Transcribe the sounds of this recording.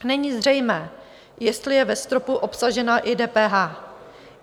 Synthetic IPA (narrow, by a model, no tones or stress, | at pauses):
nɛɲiːzr̝ɛjmɛː | jɛst̪lɪjɛvɛst̪ɾo̞puʔo̞psaʒɛnaʔɪdɛːpɛːɦaː